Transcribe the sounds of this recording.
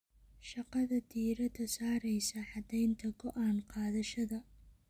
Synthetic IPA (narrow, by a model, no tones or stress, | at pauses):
ʃɑqɑðɐd̪iːɾɐd̪ʰɐsaːɾɛjsɐħɑd̪ɛjnt̪ʰɐɡɔʔaːnqɑːðɐʃɐðɐ